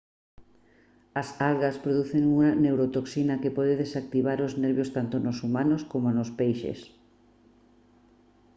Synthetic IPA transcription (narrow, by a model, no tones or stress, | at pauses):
ɐsalɣaspɾoðuθeŋuŋanewɾot̪oksinɐkepɔðeðesak̚t̪iβaɾoznɛɾβjost̪ant̪onosumanoskomonospejʃḛs